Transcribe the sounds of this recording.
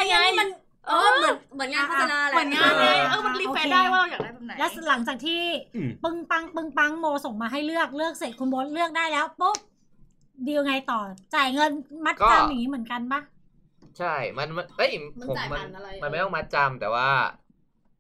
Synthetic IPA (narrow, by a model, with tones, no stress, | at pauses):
a˧ja˧ŋːa˧˥jma˧n | ʔɤː˧lɯ˧˩mɯ˩˦nŋaː˧˥t̪ʰa˧naː˧˩˦ʔɤː˧˩ma˧nli˦oː˧a˧e˧aː˥˩jwaː˥˩˧jaː˨˩da˧˩a˧˩na˨˦lɛː˦˥wla˩˦ŋt͡ɕaː˨˩k̚t̪ʰiː˥˩pɯ˧ŋpa˦˥ŋpɯ˧ŋpa˦˥ŋmoː˧so˨˩˦ŋmaː˧ɦa˥˩jlɯ˥˩ək̚lɯ˥˩ək̚se˨˩t̪̚kʰu˧nbo˦˥t̪̚lɯ˥˩ək̚daː˥˩jlɛː˦˥wpu˦˥p̚ | diː˧wŋa˧jt̪ɔː˨˩t͡ɕaː˨˩jŋɤ˧nma˦˥t̪̚ːt͡ɕa˧mja˨˩ŋi˦˥mɯ˩˦ənka˧nba˦˥˩ | t͡ɕʰa˥˩jma˧nma˧nʔɤ˦˥˩jʰo˨˦˨ma˧n˧ma˧nma˥˩jt̪ɔ˥˨ma˦˥t̪̚t͡ɕa˧mt̪ɛ̰ː˨˩waː˥˩